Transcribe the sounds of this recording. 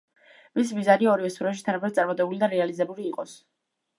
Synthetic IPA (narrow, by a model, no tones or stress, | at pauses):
vis̬mizaniɔɾivɛsʰuɾaʃ̬it̪ʰanapʰɛd̪sʼaɾmɔt̪ʼɛbulid̪aɾɛalizɛbuliːqʼɔs